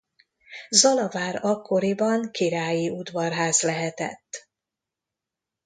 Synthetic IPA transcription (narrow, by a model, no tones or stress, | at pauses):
zɒlɒvaːɾɒkʰːo̞ɾibɒŋkiɾaːjiʔud̪vɒrɦaːzlɛɦɛt̪ɛ̰t̪ː